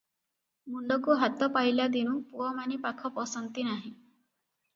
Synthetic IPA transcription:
muɳɖɔkuɦat̪ɔpajlad̪iñũpuɔmanipakʰɔpɔsɔnt̪inaɦĩ

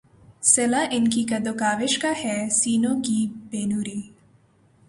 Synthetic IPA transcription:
sɪlaʔɪnkikɐd̪okaːʋɪʃkahɛsiːnõːkibeːnuːɾiː

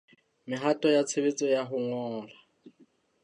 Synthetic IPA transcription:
mɪɦatʼɔjat͡sʰebet͡sʼɔjaɦʊŋɔːla

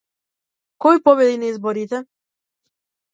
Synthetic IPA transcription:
kɔjipɔbɛd̪inaizbɔɾit̪ɛ

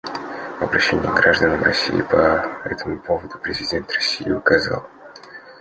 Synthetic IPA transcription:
vɐbɾɐɕːenʲɪ̰ɡɾaʐd̪ənəmrɐ̰sʲḭɪpɐɛ̰t̪əmʊpo̞vəd̪ʊpɾʲɪzʲɪdʲe̞nt̪rɐsʲijɪʊkɐzɑ̰lˠ

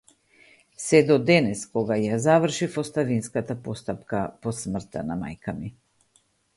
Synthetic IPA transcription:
sɛd̪ɔd̪ɛnɛskɔɡajazavr̩ʃifɔst̪avinskat̪apɔst̪apkapɔsmr̩t̪a̰nama̰jkami

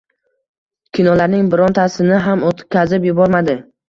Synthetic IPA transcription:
kʲʰɪnɒlaɾnɪŋbɪɾɒnt̪ʰasɪnɪɦamot̪ʰp̚kʲʰazɪpjʊbɒɾmad̪ɪ

